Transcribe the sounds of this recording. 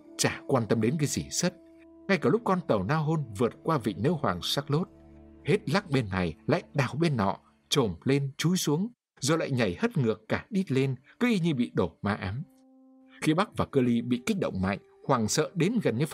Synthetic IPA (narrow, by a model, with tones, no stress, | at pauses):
t͡ɕaː˧˩kwaː˧nt̪ə˧mɗe˨˦nkaː˨˦jzi˧˩sə˦˥t̚ | ŋa˧jkaː˧˩lʊ˦˥k͡p̚kɔ˧nt̪ə˨˩wnaː˧wɦo˧nvɨ˨˩ət̚kwaː˧vḭ˧˨ŋ̟nəː˧˦whwaː˨˩ŋsaː˦˥k̚lo˦˥t̚he˦˥t̚la˦˥k̚ɓe˧nːa˨˩jla̰ː˧˨jɗaː˨˩wɓe˧nːɔ̰˧˨ | t͡ɕo˨˩mle˧nt͡ɕu˨˦jsu˨˦əŋ | zɔo˨˧˩la̰ː˧˨jɲa˨˩jhə˦˥t̚ŋɨ˨˩əkːaː˧˩ɗi˦˥t̚le˧nkɨ˨˦ʔi˧ɲɨ˧ɓḭ˧˨ɗo˨˩maː˧˩ʔaː˨˦m | xi˧ɓa˦˥k̚vaː˨˩kəː˧li˧ɓḭ˧˨ki˦˥k̚ɗə̰˧˨wŋ͡mma̰˧˨jŋ | hwaː˨˩ŋsə̰ː˧˨ɗe˨˦nɣə˨˩nɲɨ˧f